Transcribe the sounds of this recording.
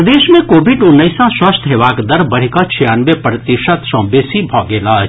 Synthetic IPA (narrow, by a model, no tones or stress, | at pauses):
d̪eːʃmẽkoːbʱiɖʊnːəɪsãswɐst̪ʰɦeːʋaːkd̪ɐɾbɐɽ̤ikat͡ʃʰijaːnʋepɾət̪ɪʃət̪sɔ̃ːbeːsibʱɔːɡeːlaː